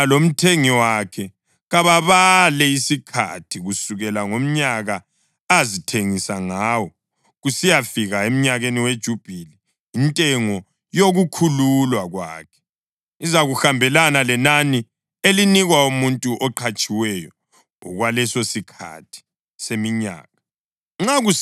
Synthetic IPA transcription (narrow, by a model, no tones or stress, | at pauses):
alom̩tʰeŋiwakʰɛ | ɣaβaβalɛisikʰa̰tʰiɣusuɣɛlaŋom̩ɲaɣa | azitʰeŋisaŋaːwɔ | ɣusijafiɣaem̩ɲaɣeniwed̥ʒ̥ʱub̥ʱili | intʼɛŋɔ | joɣukʰululwaɣwa̰ːkʰɛ̥ | izaɣuxambʱɛlanalɛnani | eliniɣwaumuntʼuʔɔǃʰat͡ʃʼiwɛjɔ | ɔ̰ɣwalɛsosikʰa̰tʰi̥ | semiɲa̰ːɣa | ŋ͡ǁaɣu